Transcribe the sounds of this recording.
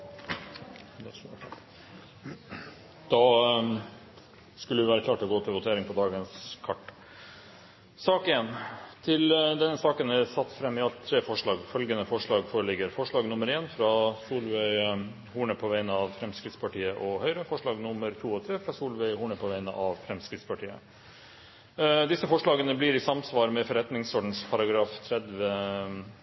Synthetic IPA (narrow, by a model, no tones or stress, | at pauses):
d̪ɛ | d̪̥ɑ | skʉləd̪ɪʋæːɾəkʰlɑːʈəlɔɡoːt̪ʰɪlʋʊt̪ʰeːɾɪŋpʰɔd̪ɑːɡənskʰɑʈː | sɑːkeːnt̪ʰɪld̪ɛnːəsɑːkənæsɑt̪ːfɾɛmːɪɑlt̪ʰːɾeːfɔʂɭɑːɡfœlɡənəfɔʂɭɑːɡfoːɾəlɪɡəɾfɔʂɭɑːɡnʊmːəɾeːnfɾɑsuːlʋɛɪ | huːɳəpʰɔʋæɪnəɑʋfɾɛmskɾɪt̪spʰɑʈiːəʔɔhœʏɾəfɔʂɭɑːɡnʊmːəɾt̪ʰuːɔt̪ʰɾeːfɾɑsuːlʋæɪhuːɳəpʰɔʋæɪnə̰ʔɑʋfɾɛmskɾɪt̪spɑʈʰiːə̰ | d̪ɪsəfɔʂɭɑːɡənəblɪɾɪsɑmsʋɑːɾmɛfɔɾɛt̪nɪŋsɔːɖɳ̩spʰɑɾɑɡɾɑːft̪ʰɾɛd̪ʋə